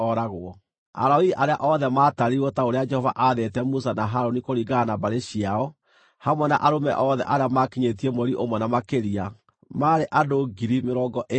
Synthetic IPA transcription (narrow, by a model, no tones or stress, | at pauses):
ɔɾaɣoɔ | a̰ɾaoiʔaɾeaʔɔðɛmaːtaɾiɾwɔtaoɾead͡ʒɛhɔva̰ʔaðetɛmus̬anaɦaɾonikoɾiɣanabaɾeɕiaɔ | hamwɛna̰ʔaɾomɛ̰ʔɔðɛ̰ʔaɾeamakiɲet̬iɛmwɛɾiʔomwɛnamakeɾia | maɾeʔadoɡiɾimeɾɔɡɔʔe